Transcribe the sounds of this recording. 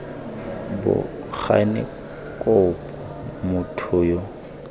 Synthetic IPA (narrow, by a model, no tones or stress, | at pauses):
bʊ̰ | k͡xʰa̰nɪ̰ | kʼɔp | mʊtʰʊːjɔ